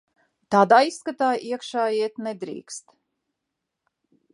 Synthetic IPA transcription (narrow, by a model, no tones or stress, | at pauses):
t̪aːd̪aːisːkat̪aːjʔiɛkʃaːiɛt̪nɛd̪ɾḭːkst̪